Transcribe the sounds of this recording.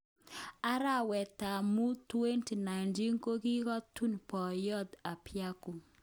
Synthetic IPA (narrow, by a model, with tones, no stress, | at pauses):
a˦ɾa˦wɛ˨ta˨mu˦twe˦nti˨na˨jnti˦ŋko˦ɡi˦kɔ˦tu˦npɔ˨jɔ˦d̪a˨pja˦ku˨